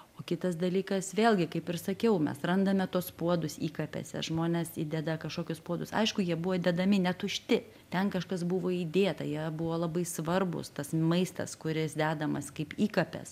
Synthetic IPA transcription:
oːkʲɪt̪ɐsd̪ɐlʲiːkɐsʋʲeːlʲɡʲɪkɐɪpɪrsɐkʲɛʊmʲɛ̰srɐnd̪ɐmʲɛt̪uɔspuɔd̪ʊsiːkɐpʲɛ̰sʲɛ̰ʒmoːnʲɛːsiːd̪ʲɛd̪ɐkɐʃkoːkʲʊspuɔd̪ʊsɐ̰ɪʃkʊjiɛbʊʋoːd̪ʲɛd̪ɐmʲɪnʲɛt̪ʊʃʲt̪ʲɪ | t̪ʲɛnkɐʃkɐsbʊʋoːiːd̪ʲeːt̪ɐ̰jiɛbʊʋoːlˠɐbɐɪsʋɐrbʊ̰st̪ɐsmɐɪst̪ɐ̰skʊɾʲɪsd̪ʲæːd̪ɐmɐskɐɪpiːkɐpʲɛ̰s

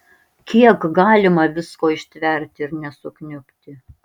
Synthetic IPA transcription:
kʲiɛkɡɑːlʲɪmɐʋʲɪskoːɪʃʲt̪ʲʋʲɛˑɾʲt̪ʲɪɪɾnʲɛsʊknʲʊpʲt̪ʲɪ

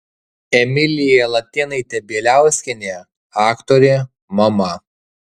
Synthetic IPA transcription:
ɛmʲɪlʲɪjɛlˠɐt̪ʲeːnɐɪt̪ʲɛbʲiːlʲæˑʊsʲkʲɪnʲeː | ɑːkt̪oɾʲeː | mɐmɐ

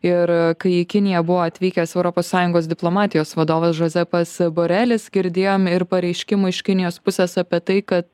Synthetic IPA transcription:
ɪɾkɐɪɪkʲɪnʲɪjɛbʊʋoːɐt̪ʲʋʲiːkʲɛsɛʊɾopoːssɑːjʊŋɡoːsd̪ʲɪplˠoːmɑːt̪ʲɪjoːsʋɐd̪oːʋɐsʒozʲɛpɐsboːɾʲæːlʲɪsɡʲɪɾʲd̪ʲeːjoːmɪɾpɐɾʲɛɪʃʲkʲɪmʊːɪʃʲkʲɪnʲɪjoːspʊsʲɛsɑpʲiɛt̪ɐɪkɐt̪

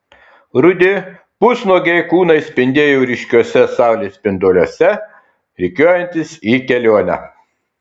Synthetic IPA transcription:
ɾʊd̪ʲɪ | pʊsnoːɡʲɛɪkuːnɐɪsʲpʲɪnʲd̪ʲeːjuːɾʲɪʃʲkʲoɔsʲɛsɑˑʊlʲeːsʲpʲɪnd̪oːlʲoɔsʲɛ | ɾʲɪkʲoːjɛnʲt̪ʲɪsiːkʲɛlʲoːnʲɛ̰

